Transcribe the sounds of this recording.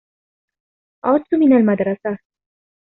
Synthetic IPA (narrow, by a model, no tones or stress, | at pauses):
ʔad̪t̪ʊmɪnalmad̪ɾˤɑsa